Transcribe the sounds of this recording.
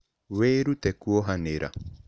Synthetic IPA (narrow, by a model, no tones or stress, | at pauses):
weɾut̪ɛkuɔɦaneɾʔa̰